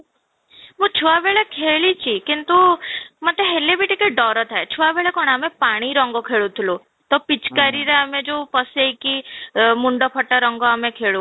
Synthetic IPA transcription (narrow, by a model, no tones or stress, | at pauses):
mũt͡ʃʰuʋabeɭekʰeɭit͡ʃʰikint̪umat̪eɦelːebiʈikeɖɔɾɔt̪ʰaet͡ʃʰuabeɭekɔɽ̃amepaɽ̃iɾɔŋɡɔkʰeɭut̪ʰilu | t̪ɔpit͡ʃkaɾiɾeamẽd͡ʒopəseikimuɳɖɔpʰəʈːaɾɔŋɡɔamẽkʰeɭu